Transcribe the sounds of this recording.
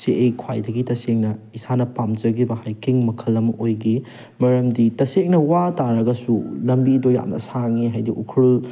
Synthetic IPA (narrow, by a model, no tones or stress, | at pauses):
seʔejkʰwa̰jdɐɡitɐseŋ̚nɐisanɐpamd͡ʒɐɡibɐhajkiŋmɐkʰɐlːɐmɐʔojɡi | mɐɾɐmditɐsek̚nɐwataɾɐɡɐsulɐmbidoja̰mnɐ̰saŋiɦajdiʔukʰul